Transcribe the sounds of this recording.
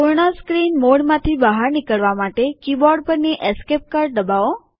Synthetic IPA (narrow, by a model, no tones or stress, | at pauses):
poɾɳ̃askɾinmoɽmãt̪ʰibəɦaɾnɪkəɭʋamaʈekibɔɾɖpəɾneʔeskep̚kaɾɖ̚d̪əbao